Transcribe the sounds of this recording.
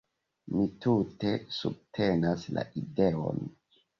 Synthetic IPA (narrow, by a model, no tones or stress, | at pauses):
mitute̞sub̚tʰe̞nasla̰ʔideo̰n